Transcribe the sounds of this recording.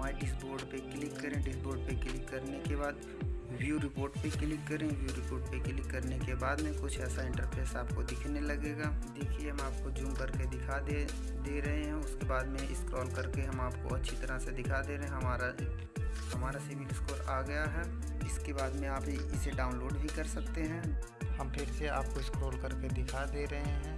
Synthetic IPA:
ɦmaːɖɪsboːɾɖpeklɪkːɐɾẽɖɪsboːɾɖpeklɪkːɐɾnekebaːd̪ | ʋjuɾɪpoːɾʈpeklɪkːɐɾẽʋjuɾɪpoːɾʈ̚peklɪkːɐɾnekebaːd̪mẽkʊt͡ʃʰɛːsaɪ̃ɳʈəɾpʰeːsaːp̚kod̪ɪkʰnelɐɡeːɡaːd̪eːkʰieɦɐmaːp̚kod͡ʒũːmbəɾked̪ɪkʰad̪e | d̪eːɾɐɦeɦɛ̃ʊskebaːd̪mẽɪ̰skɾɔːlkɐɾkeɦɐmaːpko̰ɐtːʃʰit̪ɐɾased̪ɪkʰad̪eːɾɐɦɛ̃ɦɐmaːɾa | hɐmaːɾasɪʋɪlskoːɾaːɡɐjaɦɛː | d͡ʒɪskebaːd̪mẽaːpiɪseɖaːʊnloːɖbʱikɐɾsɐkt̪eɦɛ̃ː | hɐmpʰɪɾseaːp̚koɪskɾoːlkɐɾked̪ɪkʰad̪eːɾɐɦeɦɛ̃ː

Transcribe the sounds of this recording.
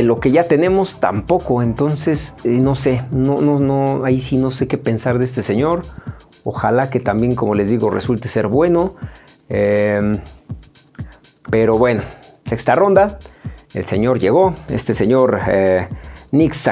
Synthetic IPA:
elo̞ke̞ʝat̪e̞ne̞mo̞st̪a̰mpo̞koent̪o̞nseseno̞senononoaisino̞se̞ke̞pe̞nsaɾðees̬t̪eseɲo̞ɾ | o̰xalake̞t̪ambje̞ŋkomo̞le̞zðiɣorḛsult̪ese̞ɾβwe̞no | em | pe̞ɾo̞βwe̞no̞ | sekst̪aro̞nd̪aḛlse̞̰ɲo̞ɾʝe̞ɣ̞oḛst̪e̞seɲoɾ | niks

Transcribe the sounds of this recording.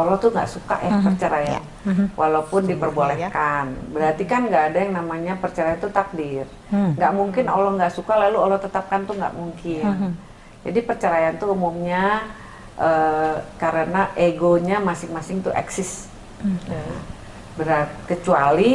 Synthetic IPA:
olɔt̪uŋɡa̰ʔsuka̰ʔjapərt͡ʃəɾaja̰n | wʔalaupʊndipərbualehkanbəɾart̪ikanŋɡaːdajaŋnamaɲapərt͡ʃaɾajant̪ut̪ak̚dɪr | ŋɡaʔmuŋkɪnolɔhŋɡaʔsukalaluolɔt̪ət̪ap̚kant̪uŋɡa̰ʔmuŋkɪn | d͡ʒa̰dipərt͡ʃəɾajant̪uumumɲa | ʔəːkaɾənaʔeɡoɲamasɪŋmasɪŋt̪uɛ̰ksɪs | bəɾat̪̚kət͡ʃuali

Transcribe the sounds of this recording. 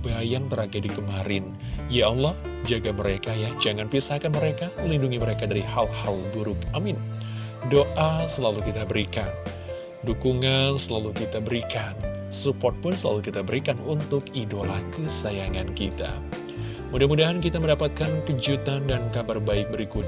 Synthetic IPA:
bajaŋt̪əɾaɡadikəmaɾɪn | jaalːɔh | d͡ʒaɡaməɾekajahd͡ʒaŋanpisahkanməɾekaməlinduŋiməɾekadaɾihalhalbuɾʊkamɪn | doʔasəlalukit̪abəɾikan | dukuŋansəlalukit̪abəɾikansupɔt̪̚pʊnsəla̰lukit̪abəɾikanunt̪ʊkidolakəsajaŋankit̪a̰ | mudahmudaɦankit̪aməndapat̪̚kankəd͡ʒut̪andankabarbaɪk̚bəɾikut̪

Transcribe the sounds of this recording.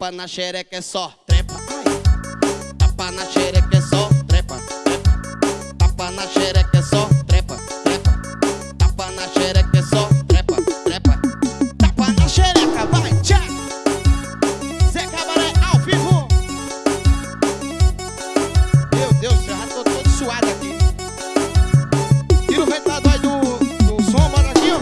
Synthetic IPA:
panaʃɛɾɛkɛsɔt̪ɾɛpa | t̪aanaʃɛɾɛkɛsɔt̪ɾɛpat̪ɾɛpɐ | apanaʃɛɾɛkɛsɔt̪ɾɛpat̪ɾɛpɐ | t̪apanaʃɛɾɛkɛsɔt̪ɾɛpat̪ɾɛpat̪apanaʃɛɾakavaɾat͡ʃa | sekabaɾẽkavivõ | mewd̪ewzʒaat̪ot̪õd̪suad̪aki | k̪iɾʊvẽt̪ad̪ʊaid̪ʊd̪ʊsõbɔɾat͡ʃĩõ

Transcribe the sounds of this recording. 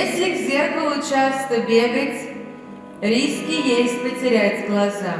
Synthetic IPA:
esʲlʲɪɡzʲerpəlˠʊt͡ɕast̪əbʲeɡətʲ | ɾʲiskʲɪjesʲt̚ʲpətʲɪɾʲætʲɡlˠɐza

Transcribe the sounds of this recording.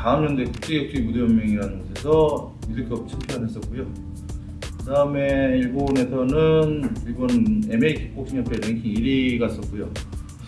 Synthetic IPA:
kaɯmnʌndekʰut͡ɕ͈ʰejʌk̚ɕ͈ʰimudɯjʌmːjʌŋiɾanɯnɡʌsʰe̞sʰʌ | midɯkʰʌp̚t͡ɕʰipʰeanɦe̞s͈ʌt̚k͈ujo | kɯdaɯme̞iɭbone̞sʰʌnɯniɭbonemeikʰp͈ok̚s͈ʰimjʌpʰeɾeŋkʰiŋiɾiɡais͈ʌt̚k͈ujo

